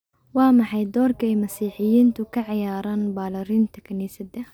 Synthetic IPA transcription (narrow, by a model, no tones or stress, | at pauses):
waːmaħajd̪ɔːɾkajmasiːħɪjiːnt̪ʊkaʕajaːɾˤɑnbaːlɑɾint̪ḁkaniːsad̪a